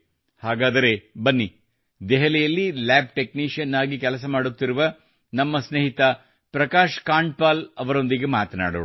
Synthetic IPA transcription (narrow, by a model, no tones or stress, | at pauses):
haːɡaːd̪ɐɾebɐnːi | d̪ɛɦɛlɛjɐlːilaːb̚ʈe̞kniːʂjɐnːaːɡikɛlɐsɐmaːɽut̪ːiɾuʋɐ | nɐmːɐsneɦit̪ɐ | pɾɐkaːʃkaːɳʈ̚paːlɐʋɐɾo̞nd̪iɡemaːt̪ɐna̰ːɽṵː